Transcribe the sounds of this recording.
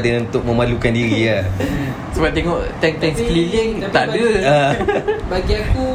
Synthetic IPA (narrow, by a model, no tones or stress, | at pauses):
dənunt̪ʊk̚mə̃malukandiɾia | səbap̚t̪eŋɔʔt̪ɛŋt̪ɛŋskliliŋt̪aʔdəabaɡiaku